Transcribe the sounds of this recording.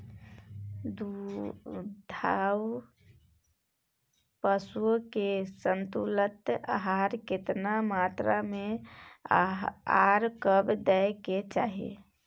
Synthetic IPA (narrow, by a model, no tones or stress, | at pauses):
d̪u | d̪ʱaw | pəsuokesənt̪ulət̪aɦaɾket̪namat̪ɾame | aɾkəbd̪ɛjket͡ʃaːɦḭ